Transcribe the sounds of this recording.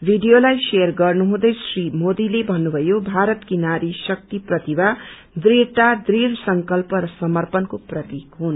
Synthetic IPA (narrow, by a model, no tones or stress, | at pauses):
bʱiɖijolajseʌrɡʌrnuɦũd̪ʌjsrimod̪ilebʱʌnːubʱʌjobʱaɾʌt̪kinaɾisʌk̚t̪iprʌt̪iba | d̪reʈad̪rirsʌŋkʌlpʌɾʌsʌmʌrpʌnkoprʌt̪ikɦun